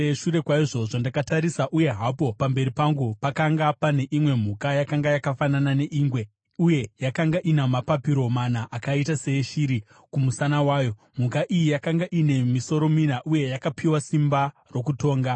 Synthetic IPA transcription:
eʂuɾe̞kwaiʐo̞ʐandakataɾisaʔuje̞ɦapo̞pambe̞ɾipaŋɡupakaŋɡapane̞ʔimwe̞m̤ukajakaŋɡajakafananane̞ʔiːŋɡwe̞ | uje̞jakaŋɡaʔinamapapiɾo̞manaʔakaitase̞ʃiɾi | kumusanawaːjo̞ | m̤ukaʔijijakaŋɡaʔine̞miso̞ɾo̞minaʔuje̞jakapʰiwasimba | ro̞kuto̞ːŋɡa

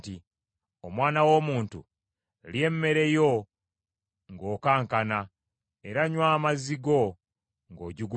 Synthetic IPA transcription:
ti | omwaːnawo̞ːmuːntṵ | lje̞mːe̞ɾe̞jo̞ | ŋɡo̞ːkaːŋkana | e̞ɾaɲwaːmaziɡo̞ | ŋɡo̞ːɟiɡu

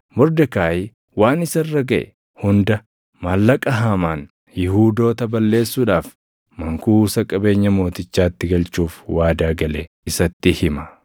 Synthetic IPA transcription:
mɔɾd̪ɐkaːjɪ | waːnɪsɐrːɐɡɐʔɛ̰ | hʊnd̪ɐ | maːlːɐkʼɐɦɐmaːn | jɪhuːd̪o̞ːt̪ɐbɐlːe̞ːsːuːᶑaːf | mɐŋkuːsɐkʼɐbe̞ːɲːɐmo̞ːt̪ɪt͡ʃːaːt̪ːɪɡɐlt͡ʃːuːfwaːd̪aːɡɐle | ɪsɐt̪ːɪhɪmɐ

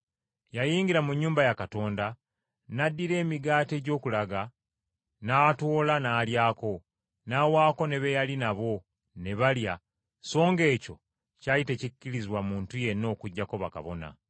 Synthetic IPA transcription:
jajiːŋɡiɾamuɲːuːmbajakato̞ːnda | nadːiɾe̞ːmiɡaːte̞ːɟo̞ːkulaɡa | naːto̞ːlanaːljaːko̞ | naːwaːko̞ne̞βe̞jalinaβo̞ | ne̞βalja | so̞ːŋɡe̞ːco̞ | cajite̞cicːiɾiziwamuːntuje̞nːo̞ːkuɟːako̞βa̰ka̰βo̞na̰

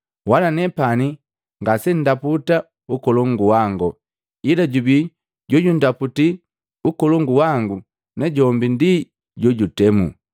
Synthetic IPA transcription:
walanɛpani | ŋɡasɛn̩daputa | ukɔlɔŋɡuwaŋɡɔ | ilaɟubi | ɟɔɟundaputi | ukɔlɔŋɡuwaŋɡu | nɛɟɔmbindi | ɟɔɟutɛmṵ

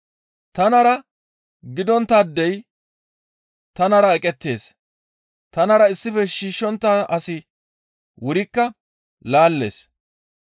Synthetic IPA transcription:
t̪ɐnɐɾɐ | ɡɪd̪ɔnt̪ːɐd̪ːɛj | t̪ɐnɐɾɐɛkʼɛt̪ːe̞ːs | t̪ɐnɐɾɐɪsːɪfɛʃiːʃːɔnt̪ːɐʔɐsɪ | wʊɾɪkːɐ | laːlːe̞̰ːs

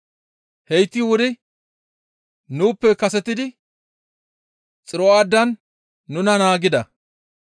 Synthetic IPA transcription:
hɛjt̪ːɪwʊd̪ɪ | nuːpːɛkɐsɛt̪ːɪd̪ɪ | t͡sʼɪɾɔaːd̪ːɐnː | ʊnɐnaːɡɪd̪ɐ

